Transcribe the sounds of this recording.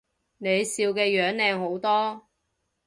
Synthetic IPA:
ne˨˧jsiː˧wkɛː˧jœː˨˥ŋlɛː˧ŋho˨˥wt̪ɔː˥

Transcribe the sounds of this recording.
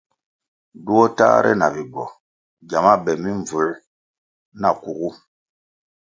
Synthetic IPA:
du˦ɔ˦ta̰˦ɾɛ̰˦na˨bi˨ɡɔ̰˨ | ɟa˨ma˦bɛ˨mi˦ɱ˨vu˨l | na˨ku˨ɣu˦

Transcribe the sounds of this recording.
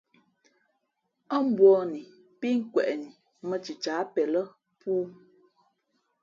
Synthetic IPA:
ə˦m̩˦bwɔ˦ni˨ | pi˦ŋ̩˦kwɛ˨ʔni˨ | mə˦˨t͡ʃi˨t͡ʃaː˨˦pɛ˨lə˦ | puː˦

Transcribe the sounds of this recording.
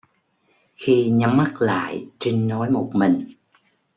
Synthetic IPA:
xi˧ɲa˨˦mːa˦˥t̚la̰ː˧˨jt͡ɕi˧ŋnɔ˨˦jmo˨˩t̚mï˨˩ŋ̟

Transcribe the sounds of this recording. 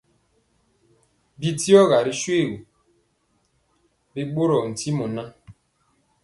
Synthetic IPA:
bi˦ti˦ɔ˦ɣa˨ɾi˦ʃwe˦˨ɣu˨ | bi˦ɡ͡bo˦ɾɔ˨n̩˨ti˦mu˨na˦

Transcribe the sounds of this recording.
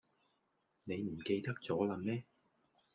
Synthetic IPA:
ne˨˧jm̩˨˩ke˧jt̪ɐ˥k̚t͡sɔː˨˥lɐ˨˧˥mnɛː˥

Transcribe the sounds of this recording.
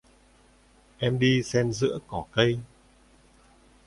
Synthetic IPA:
ʔɛ˧mɗi˧sɛ˧nzɨ̰˧˥əkɔ˧˩kə˧j

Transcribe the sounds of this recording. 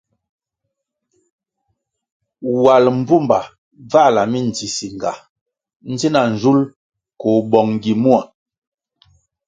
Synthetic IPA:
wa˨lm̩˦bu˦˨mba˨ | va˦˨la˨mi˦n̩˨t͡si˨si˨ŋ˨ɡa̰˨ | n̩˦zi˦na˨n̩˨d͡ʒu˦l | ko˨bɔ˨ŋ˨ɡi˨mu˦a˨

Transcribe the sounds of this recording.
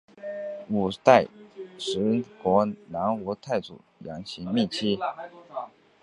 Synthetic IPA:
u˨˩t̪a˥˩ɪʂɻ̩˧˥kwɔ˧˥na˧˥nɔ˧˥t̪ʰa˥˩ɪt͡sṵ˨˩jɑ˧˥ŋɕʰi˧˥ŋmi˥˩t͡ɕʰi˥

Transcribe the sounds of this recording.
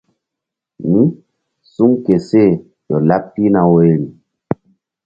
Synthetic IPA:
ni˦ | su˦ŋke˨se˦˨ | jɔ˨la˦p̚ti˦na˨we˨ɾi˨

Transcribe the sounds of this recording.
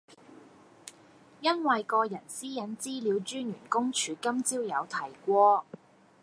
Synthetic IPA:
jɐ˥nwɐ˨jkɔː˧jɐ˨˩nsiː˥jɐ˨˥nt͡siː˥liː˨˧wt͡ʃyː˥njyː˨˩nkʊ˥ŋt͡ʃʰyː˨˧kɐ˥mt͡siː˥wjɐ˨˧wt̪ʰɐ˨˩jkʷɔː˥

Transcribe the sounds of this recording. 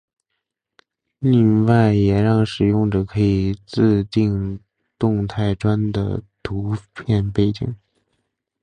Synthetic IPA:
li˥˧ŋwa˥˩ɪjɛ˨˩ɻɑ˥˩ŋʂɻ̩˨˩jʊ˥˩ŋʈ͡ʂə˩kʰɤ˧˥i˨˩t͡sɹ̩˥˧t̪i˥˧ŋ | t̪ʊ˥˧ŋt̪ʰa˥˩ɪʈ͡ʂwa˥nd̪ə̰˨t̪ʰu˧˥pʰjɛ˥˧npe˥˩ɪt͡ɕḭ˨˩˦ŋ

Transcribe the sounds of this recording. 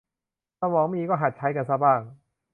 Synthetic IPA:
sa˧wɔː˨˩˦ŋmiː˧kɔː˥˩ɦa˨˩t̪̚t͡ɕʰa˦˥jka˧nsa˦˥˩baː˥˩ŋ

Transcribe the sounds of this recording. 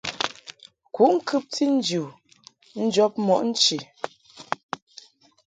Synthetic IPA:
ku˨˦ʔŋ̩˦kʰʉ˦p̚ti˦n̩˦d͡ʒu˨ | n̩˦d͡ʒɔ˦p̚mɔ˨ʔn̩˦t͡ʃi˨

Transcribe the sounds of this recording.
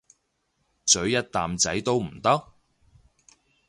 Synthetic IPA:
t͡sɵ˨˥ɥjɐ˥t̚t̪aː˨mt͡sɐ˨˥jt̪o˥wm̩˨˩t̪ɐ˥k̚

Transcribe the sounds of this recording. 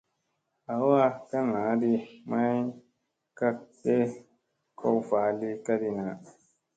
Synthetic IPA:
a˨wa˦ka˦na˨˦di˦ma˦j | ka˦te˦ | kʰɔ˦wfaː˨˦li˦ka˦di˨na˨

